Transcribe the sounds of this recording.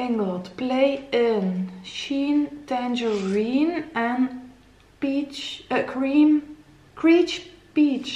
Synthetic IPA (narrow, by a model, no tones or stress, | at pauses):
ɪ̃ŋəlˠdpʰleɪɪ̃nʃĩnd̥æ̃nd͡ʒəɹĩnə̃n | b̥it͡ʃəkʰɹim | kʰɹ̥it͡ʃ | b̥it͡ʃ